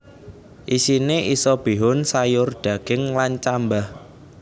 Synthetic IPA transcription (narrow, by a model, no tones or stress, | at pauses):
ʔisineʔisɔb̥i̤ɦʊnsajʊrd̪̥ä̤ɡ̥ɪŋlant͡ʃambah